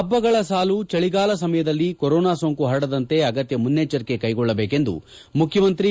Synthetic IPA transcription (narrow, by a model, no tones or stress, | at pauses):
ɐbːɐɡɐɭɐsaːlut͡ʃɐɭiɡaːlɐs̬ɐmɐjɐd̪ɐlːikɔɾoːnaːsoːŋkuɦɐɽɐd̪ɐnt̪e̞ɐɡɐt̪jɐmunːeːt͡ʃːɐɾkekɐjɡɔɭːɐbeːke̞nd̪ṵ | mukʰjɐmɐnt̪ɾi